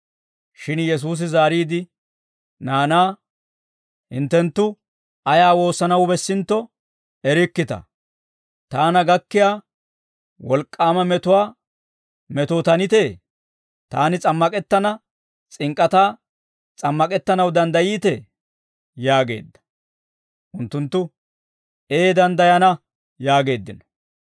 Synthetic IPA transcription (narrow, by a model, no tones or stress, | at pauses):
ʃɪnjɛs̬uːs̬ɪzaːɾiːd̪ɪ | naːnaː | hɪnt̪ːɛnt̪ːʊ | ɐjaːwo̞ːsːɐnɐwbɛsːɪnt̪ːɔ | ɛɾɪkːɪt̪ɐ̰ | t̪aːnɐɡɐkːɪjaː | wɔlkʼːaːmɐmɛt̪ʊwaː | mɛt̪oːt̪ɐnɪt̪eː | t̪a̰ːnɪt͡sʼɐmːɐkʼɛt̪ːɐnɐ | t͡sʼɪŋkʼːɐt̪aː | t͡sʼɐmːɐkʼɛt̪ːɐnɐwd̪ɐnd̪ɐjiːt̪ɛ | jaːɡe̞̰ːd̪ːɐ̥ | ʔʊnt̪ːʊnt̪ːʊ | e̞ːd̪ɐnd̪ɐjɐnɐ | jaːɡe̞ːd̪ːɪnɔ